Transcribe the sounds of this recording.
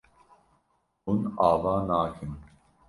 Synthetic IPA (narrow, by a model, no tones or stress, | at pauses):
unaːvaːnaːkʰɨn